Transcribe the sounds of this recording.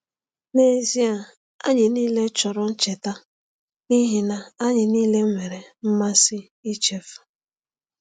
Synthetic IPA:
ne˦zi˦a˨ | a̰˦ɲɪ˨niː˦le˦t͡ʃɔ˨ɾʊ˦n̩˦t͡ʃe˨ta˦ | ni˦ɦi˨na˨a˦ɲɪ˨niː˦le˦ŋʷe˨ɾe˨m̩˦ma˦sɪ˦ | i˦t͡ʃe˦fu̥˨

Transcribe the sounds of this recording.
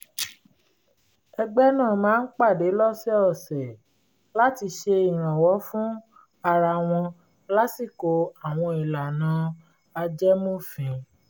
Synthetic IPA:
ɛ˧ɡ͡bɛ˦nãː˦˨mãː˨˦n̩˦k͡pa˦˨de˨˦lɔ˦sɛ˦ɔ˦˨sɛ˨ | la˦ti˧ʃe˧i˨ɾ̃ã˨wɔ˨˦fũ˦ | a˧ɾa˧w̃ɔ̃˧ | la˦si˦˨ko˨a˨w̃ɔ̃˧i˨la˨nã˨˦ | a˧d͡ʒɛ˦mõ˦fĩ˨˦

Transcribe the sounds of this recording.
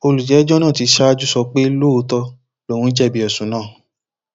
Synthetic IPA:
o˧lu˨d͡ʒɛ˨˦d͡ʒɔ˦nãː˦˨ti˨˧ʃa˦a˦d͡ʒu˦sɔ˧k͡pe˦lo˦˨˧tɔ˧ | lo˦˨wũ˦d͡ʒɛ˦˨bi˧ɔ˨sũ˨˦nãː˦˨

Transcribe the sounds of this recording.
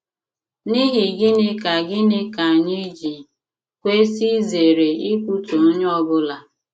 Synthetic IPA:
ni˦ɦɪ˨ɡɪ˦nɪ˦ka˨ɡɪ˦nɪ˦ka˨ɲi˦d͡ʒi˨ | kʷe˦si˦ze˨ɾe˨i˦kʷu˦to˨˦ɲ˦ɔ˦bʊ˦la˨

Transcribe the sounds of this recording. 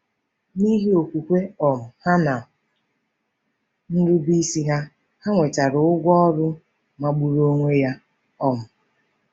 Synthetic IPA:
ni˦ɦi˦o˨kʷu˨kʷe˦ɔ˨mʊ˨ha˦na˨ | n̩˦ɾu˦bi˦si˦ɦa˦ | ha˦ŋʷe˨ta˨ɾʊ˨ʊ˦ɡʷɔ˦ɾʊ˦ | ma˨ɡ͡bu˨ɾo˦ŋʷe˦ja˦ | ɔ˦mʊ˨

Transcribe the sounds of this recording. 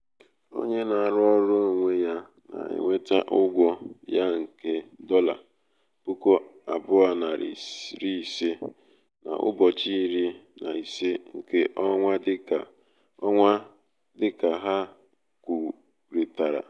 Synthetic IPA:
o̰˦ɲe˦na˨a˨ɾʊ˦ɔ˦ɾʊ˦˨ŋʷe˦ja˦ | na̰˨ɪ̰˨ŋʷe˦ta˦ʔʊ˦ɡʷɔ˦ja˦ŋ̩˨ke˦dɔ˦la̰˨ | b̥u˦ko˦a˨bʊ˦a˦na˨ɾɾi˦˨se˦ | na̰˨ʔʊ̰˦bɔ˨t͡ʃi˦ɾi˦na˨i˨se˦ŋ̩˨ke˦ʔɔ˦ŋʷa˦dɪ˦ka˨˦ | ŋʷa˦ | dɪ˦ka˨ɦa˦ | ku˨ | ɾi˨ta˨ɾa̰˨

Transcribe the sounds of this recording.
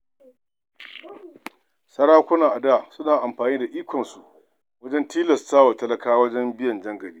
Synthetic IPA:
sɐ˦ɽaː˦kʷʊ˦na˨ʔa˨daː˦˨sʊ˦naː˨ʔa˨mɸaː˨niː˦da˨ʔiː˦kʷɔ˨nsu˨ʔ | wɐ˦d͡ʒɛ˦ntiː˦lɐ˨staː˦wa˨tɐ˦lɐ˦kaː˦wɐ˦d͡ʒɛ˦mbɪ˦jɐ˨nd͡ʒɐ˦ŋɡɐ˨biː˦

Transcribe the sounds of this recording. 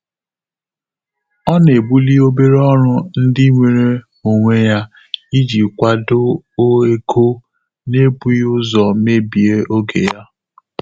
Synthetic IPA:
ɔ˦n˨e˨bu˦li˦o˦be˦ɾe˦ɔ˦ɾʊ˦n̩˦dɪ˦ŋʷe˨ɾe˦ | mo˨ŋʷe˦ja˦ | i˦d͡ʒi˨kʷa˦dʊ˦o˦e˦kʰo˦ | ne˦bu˦ʊ˦zɔ˨me˦bi˨e˦o˦ɡḛ˨ja˦

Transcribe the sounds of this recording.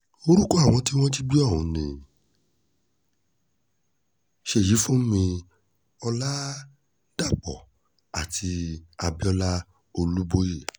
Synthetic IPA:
o˧ɾu˦kɔ˦a˦˨w̃ɔ̃˧ti˦w̃ɔ̃˦ti˦ɡ͡bi˦ɔ˦˨ũ˨nĩ˨ | ʃe˦˨ji˨˦fũ˦mĩ˧ | ɔ˧la˦ | d̥a˦˨k͡pɔ̰˨ | a˨tʰi˧a˧bi˦ɔ˦la˦ | o˧lu˦bo˦je˦˨

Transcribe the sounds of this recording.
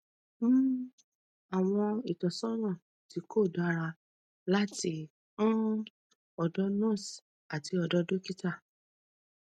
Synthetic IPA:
m̩˦˨ | a˨w̃ɔ̃˧i˨tɔ̃˨sɔ̃˦ɾ̃ɔ̃˦˨ | ti˨˧ko˦˨da˨˦ɾa˧ | la˦ti˧ | ũ˦ | ɔ˧˨dɔ˦nɔ̃˦˨s | a˨ti˧ɔ˧dɔ˦do˦ki˦ta˦˨

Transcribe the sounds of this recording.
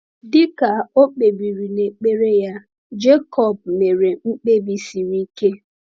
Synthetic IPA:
dɪ˦ka˨o˦k͡pe˨bi˨ɾi˨ne˨k͡pe˦ɾe˦ja˦ | d͡ʒe˦kɔ˦˨b̚me˨ɾe˨ŋ͡m̩˦k͡pe˦bi˨si˨ɾi˦ke˦

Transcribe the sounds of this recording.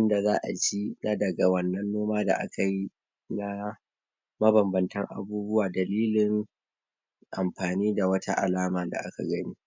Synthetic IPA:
ɪ˦nda˨zaː˦ʔa̰˨t͡ʃi˦na˦dɐ˨ɡa˨wɐ˦nːɐ˦nːoː˦maː˦da̰˨ʔa̰˦ka˨ji˦ | na˦ | mɐ˦bɐ˨mbɐ˨ntɐ˦ŋʔa̰˨buː˦bʊ˦waː˨dɐ˨liː˦lɪ˨ŋ | ʔa˨mɸaː˨niː˦da˨wɐ˦tʰa˦ʔa̰˨laː˦maː˨da̰˨ʔa̰˦ka̰˨ɡɐ˦niː˦

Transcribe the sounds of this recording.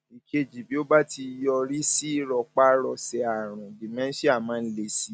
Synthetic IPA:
i˨ke˧d͡ʒi˨bi˨˦o˦ba˦ti˧jɔ˧ɾi˦si˦ɾɔ˧˨k͡pa˦ɾɔ˧sɛ˧a˨ɾ̃ã˨di˨mɛ̃˦si˦a˦˨mãː˨˦n̩˦le˧si˨˦

